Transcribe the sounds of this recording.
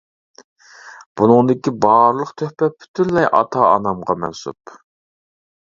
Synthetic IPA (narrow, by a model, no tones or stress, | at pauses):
b̥unɨŋd̪ɪkʲibɑːɾlˠəqt̪ʰøhpɛpʰy̥t̪ʰyɾlɛjʔɑ̰t̪ʰɑɑ̰nɑmʁɑmɛ̰nsṵp